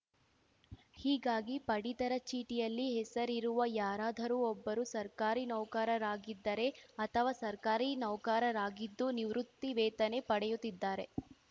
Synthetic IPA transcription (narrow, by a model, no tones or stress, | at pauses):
hiːɡaːɡipɐɽit̪ɐɾɐt͡ʃiːʈijɐlːiɦɛsɐɾiɾuʋɐjaːɾaːd̪ʱɐɾuɔbːɐɾusɐɾkaːɾinɐwkaːɾɐɾaːɡid̪ːɐɾe̞ɐt̪ʰɐʋaːsɐɾkaːɾinɐwkaːɾɐɾaːɡid̪ːuniʋɾut̪ːiʋɛːt̪ɐne̞pɐɽɛjut̪ːid̪ːaːɾe̞